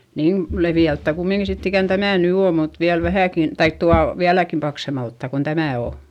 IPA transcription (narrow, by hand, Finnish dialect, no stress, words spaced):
niːn leʋiæltːæˑ kumːiŋki sitː ikæn tæmæˑ ny oː mut ʋiæl ʋæhæˑkin tɑik tuɑl ʋiælækim pɑksemɑltːɑˑ kon tæmæˑ o